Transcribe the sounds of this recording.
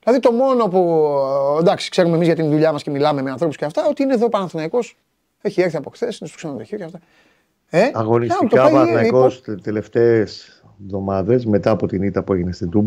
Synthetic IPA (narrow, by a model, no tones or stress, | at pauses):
ðilɐðit̪o̞mo̞no̞pu | d̪ɐksi̥kse̞ɾumemizʝɐt̪inðuʎɐmɐscemilɐme̞meɐnθɾopusceɐft̪ɐo̞t̪iineðopɐnɐnθinɐiko̞s | eçie̞ɾθiɐpo̞xθesinest̪o̥ksenond̪eçioceft̪ɐ | eɐɣonist̪oɐpɐθinɐiikoost̪ele̞ft̪ees | vðo̞mɐðe̞zme̞t̪ɐːpot̪init̪ɐpueʝinest̪ind̪ub